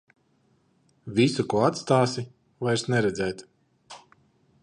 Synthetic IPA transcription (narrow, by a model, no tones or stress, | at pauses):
visukuɔat̪st̪aːsi | vajɾsnɛɾɛd̪zɛjt̪